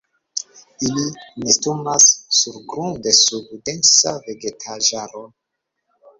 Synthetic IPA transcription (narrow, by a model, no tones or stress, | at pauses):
ilinistumasːuɾɡɾundesubdensaveɡetʰaʒaɾo